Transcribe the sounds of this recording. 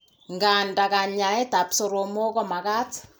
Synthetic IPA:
ŋɡa˨nda˨ka˨ɲa˨ɛ˦ta˨pso˨ɾo˨mo˦kɔ˦ma˨ka˦t

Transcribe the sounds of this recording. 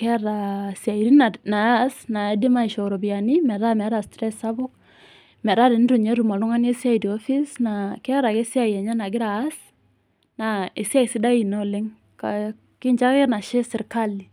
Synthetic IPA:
kɛ˦ɾa˨sia˨i˨ɾi˦na˨na˨a˦sna˨a˨˦di˦ma˦i˨ʃɔ˨ɾɔ˨ba˨ni˦mɛ˨ɾa˦mɛ˨˦ɾa˨stɾɛ˦sa˦bʊ˦k̚ | mɛ˨ɾa˦dɛ˨n˦ɾu˨ɲe˦ɾu˨ma˨lʊ˦ŋa˦ne˦sa˦jdi˨ɔ˦fi˦sna˨kɛ˦a˦ɾa˨kɛ˦si˦a˨jɛ˨ɲa˦na˨ɡɪ˦ɾaː˨˦s | na˨e˨si˦a˦i˨sɪ˦da˦ji˨nɔ˦˨lɪ˦ŋ | ka˨ | kɪ˦ɲd͡ʒa˦kɛ˦na˨ʃɛ˦sɪ˨ɾka˦li˨

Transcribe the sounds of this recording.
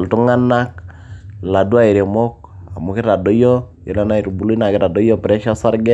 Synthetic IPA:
ltu˦ŋa˦na˦k̚ | la˨dwa˦i˨ɾe˨mɔ˦k̚ | a˨mʊ˨kɪ˦ɾa˨dɔ˦jɔ˦jo̰˨la˦na˦i˨ɾbu˨li˦na˨kɪ˦ɾa˨dɔ˦jɔ˦pɾɛ˦ʃa˦sa˦ɾɡɛ˦

